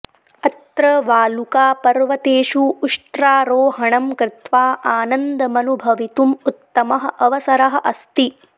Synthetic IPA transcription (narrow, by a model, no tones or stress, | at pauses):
ɐt̪ɾɐʋaːlukaːpɐɾʋɐt̪eːʃuːʂʈ̪ɾaːɾoːɦɐɳɐmkɾɪt̪ʋaːʔaːnɐnd̪ɐmɐnubʱɐʋit̪umut̪ːɐmɐɦɐ̆ʔɐʋɐsɐɾɐɦɐ̆ʔɐst̪i